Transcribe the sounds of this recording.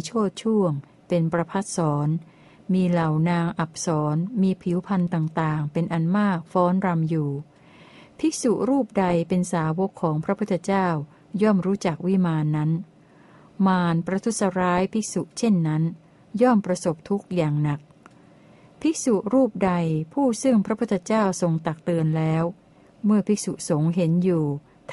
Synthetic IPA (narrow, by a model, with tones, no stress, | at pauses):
t͡ɕʰoː˥˩t̪̚t͡ɕʰu˥˩əŋ | pe˧npɾa˧pʰa˦˥˩t̪̚sɔː˩˦n | miː˧la˨˩wnaː˧ŋʔa˨˩p̚sɔː˩˦nmiː˧pʰi˩˦wpʰa˧nt̪aː˨˩ŋt̪aː˨˩ŋpe˧nʔa˧nmaː˥˩k̚fɔː˦˥nɾa˧mjuː˨˩ | pʰi˦˥su˨˩ʔɾuː˥˩p̚da˧jpe˧nsaː˩˦wo˦˥kʰːɔː˩˦ŋpʰɾa˦˥pʰu˥t̪ʰːe˧t͡ɕaː˥˩w | jɔː˥˩mɾuː˦˥t͡ɕa˨˩k̚wi˦˥maː˧nːa˦˥n | maː˧npɾa˧t̪ʰu˦˥t̪̚sa˧ɾaː˦˥jpʰi˦˥k̚su˨˩ʔt͡ɕʰe˥˩nːa˦˥n | jɔː˥˩mpɾa˧so˨˩p̚t̪ʰu˦˥k̚jaː˨˩ŋna˨˩k̚ | pʰi˦˥k̚su˨˩ʔɾuː˥˩p̚da˧jpʰuː˥˩sɯ˥˩ŋpʰɾa˦˥pʰu˥˩t̪ʰːt͡ɕaː˥˩wso˧ŋt̪a˨˩k̚t̪ɯ˧ənlɛː˦˥w | mɯ˥˩ɐpʰi˦˥k̚su˨˩ʔso˩˦ŋɦe˩˦njuː˨˩ | t̪ʰ